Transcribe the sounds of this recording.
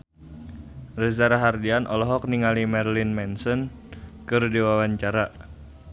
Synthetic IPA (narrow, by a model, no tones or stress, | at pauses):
rəzaɾaɦardianʔɔ̰lɔɦɔk̚niŋalimɛrlinmɛnsɔn | kɨrdiwawaɲt͡ʃaɾa